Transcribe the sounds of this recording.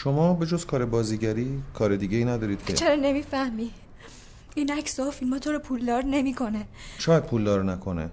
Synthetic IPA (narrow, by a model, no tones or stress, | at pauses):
ʃo̞mɒːbed͡ʒozkʰɒːɾebɒːziɟæɾiːkʰɒːɾed̪iːɟeiːnæd̪ɒːɾiːd̪cʰḛt͡ʃʰeɾɒːne̞miːfæhmi | iːnæcsɒːfilmɒːt̪ʰoɾopʰuld̪ɒːɾne̞mikʰo̞neʃɒːjæd̪̚pʰuːld̪ɒːɾnækʰo̞nḛ